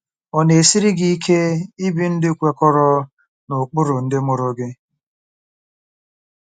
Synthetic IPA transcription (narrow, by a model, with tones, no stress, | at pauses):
ɔ˨ne˨si˦ɾi˦ɡi˦i˦kʰe˦i˦bi˦n̩˦dɪ˦kʷe˨kɔ˦ɾɔ˦ | nʊ˨k͡pʊ˦ɾʊ˨n̩˦dɪ˦mʊ˦ɾʊ˨ɡɪ˦